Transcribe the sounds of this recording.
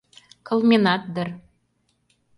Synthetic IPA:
kŏlˠmʲinɑt̪̚d̪ɤ̆r

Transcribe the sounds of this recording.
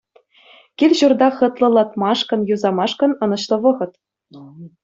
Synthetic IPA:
kʲilʲʑurd̪ɑχɤ̆t̪lˠɤ̆lˠɑt̪mɑʂkɤ̆njuzɑmɑʂkɤ̆nɤ̆nɤ̆ɕlˠɤ̆ʋɤ̆ʁɤ̆t̪

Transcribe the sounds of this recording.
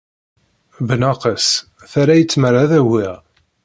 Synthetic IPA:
bənɑqəs | θaɾæjət͡sːməraðæwɪʁ

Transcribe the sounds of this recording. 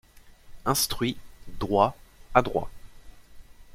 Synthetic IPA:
ɛ̃st̪χɥid̪ʁwaad̪ʁwa̰

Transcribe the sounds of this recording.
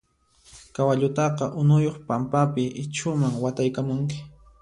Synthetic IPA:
kawaʎʊt̪ɑqɑʔʊnʊjoχpampapɪʔɪt͡ʃʊmaŋwat̪ajkamʊŋk̬ɪ̥

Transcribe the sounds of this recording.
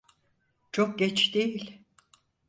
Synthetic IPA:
t͡ʃʰok̚ɟɛt͡ʃd̪ejilʲ

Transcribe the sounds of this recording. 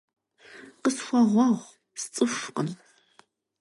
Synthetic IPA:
qəsxʷɐʁʷɑʁʷ | st͡sʼɨʃqən

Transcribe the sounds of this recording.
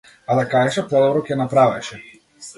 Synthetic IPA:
alɛkajɛʃapɔd̪ɔbɾɔkʲɛnapɾavɛʃɛ

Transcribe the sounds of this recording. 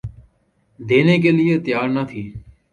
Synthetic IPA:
d̪eːneːk̬eːlɪeːt̪ɪjaːɾnət̪ʰiː

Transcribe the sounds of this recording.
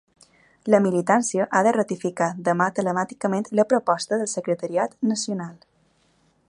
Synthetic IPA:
ləmilit̪ansiəʔaðərət̪ifikaðəmat̪ələmat̪ikəmẽnt̪ləpɾopɔst̪əðəlˠsəkɾət̪əɾiat̪nəsiunal

